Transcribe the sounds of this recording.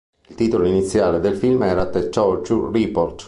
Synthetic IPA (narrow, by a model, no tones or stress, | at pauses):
ilt̪iːt̪oloinit̪sːjaːled̪elfilmɛːɾat̪et͡ʃɔɾt͡ʃuripɔɾt̪